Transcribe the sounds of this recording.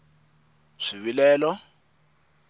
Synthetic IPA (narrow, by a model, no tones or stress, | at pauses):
ʂiβilɛːlɔ